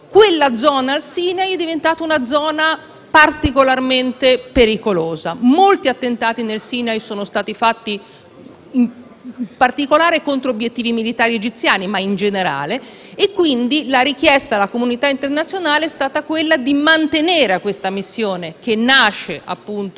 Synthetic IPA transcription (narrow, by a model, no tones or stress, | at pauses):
kwelːad̪zɔːnaːlsiːnajɛd̪ːivent̪aːt̪aunad̪zɔːna | part̪ikolarment̪epeɾikoloːzamolt̪iat̪ːent̪aːt̪inelsiːnajsoːnost̪aːt̪ifat̪ːi | m | part̪ikolaːɾekont̪ɾoobjet̪ːiːvimilit̪aːɾied͡ʒit̪sːjaːnimaind͡ʒeneɾa̰ːleː | kːwind̪ilaɾik̟jɛst̪aːlːakomunit̪aint̪ernat̪sjonaːleɛst̪aːt̪akwelːad̪imant̪eneːɾeakwest̪amisːjoːnek̟enːaʃːeʔa̰pːunt̪o